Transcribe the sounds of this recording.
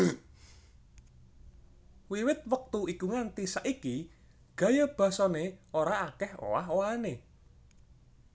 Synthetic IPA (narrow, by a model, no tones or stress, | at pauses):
wiwɪt̪̚wək̚t̪uikuŋant̪isaʔiki | ɡ̥ä̤jab̥a̤sɔneoɾaːkɛho̰waɦoane